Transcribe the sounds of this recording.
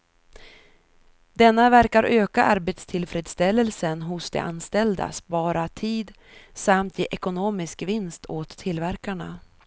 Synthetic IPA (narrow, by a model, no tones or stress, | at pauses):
d̪ɛnːavæɾkaɾʔøːkaʔaɾbet̪st̪ʰɪlfɾeːd̪st̪ɛlːəlsənɦʊsd̪ɛ̰ʔa̰nst̪ɛld̪a̰spɑːɾat̪ʰiːd̪ | samt̪ʰjḛːʔɛkʊnoːmɪskvɪnst̪ʰoːt̪ʰːɪlːvæɾkaɳa̰